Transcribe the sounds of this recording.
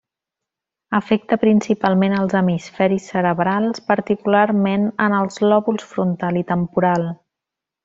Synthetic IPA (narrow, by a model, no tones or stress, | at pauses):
əfɛk̚t̪əpɾinsipalˠmenəlˠzəmisfɛɾisːəɾəβɾalˠspəɾt̪ikularmenənəlˠzlɔβulˠsfɾunt̪alˠit̪əmpuɾalˠ